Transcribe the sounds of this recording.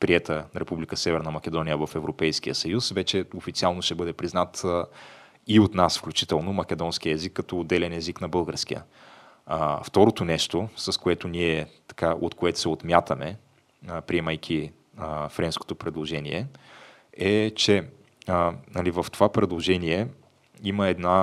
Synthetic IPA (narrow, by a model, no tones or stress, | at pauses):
pɾiɛt̪ənɾɛpublʲikəsɛvɛɾnɐmɐk̟ʲɛd̪ɔnʲijəvɐfɛvɾopɛjsk̟ijəsɐjusvɛt͡ʃɛofit̪sialˠnoʃɛbɤd̪ɛpɾiznat̪ | iot̪nasfklʲut͡ʃit̪ɛlˠnomɐk̟ʲɛd̪ɔnskiəɛzikːɐt̪ɔːd̪ːɛlɛnɛziknɐbɤlˠɡəɾskijə̰ | ft̪ɔɾot̪onɛʃt̪osɐskoɛt̪oniɛt̪ɐ̥kaʔot̪koɛt̪o̥sɛot̪mʲjat̪əmɛ | pɾiɛməjkʲʰi | fɾɛnsko̥t̪opɾɛd̪lˠoʒɛniɛ | ɛt͡ʃɛ | nɐlivɐft̪ovapɾɛd̪lˠoʒɛniɛ | iməɛd̪na